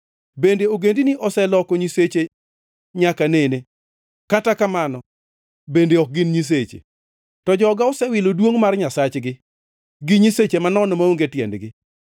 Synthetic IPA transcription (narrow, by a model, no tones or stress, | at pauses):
bendeoɡendiniʔɔsɛlɔkɔɲiset͡ʃe | ɲakanene | katakamanɔ | bendeɔk̚ɡɪnɲis̬et͡ʃḛ | tɔd͡ʒɔɡaɔsɛwɪlodwoŋmarɲasat͡ʃɡɪ | ɡɪɲiset͡ʃemanɔnomaoŋɡetjɛ̰ndɡɪ